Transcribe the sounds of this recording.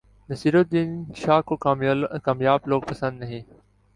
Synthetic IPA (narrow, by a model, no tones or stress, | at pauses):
nɐsiːɾot̪̚d̪iːnʃaːkoːaːkaːmjaːbloːɡ̚pɐsə̃nd̪nɐɦẽː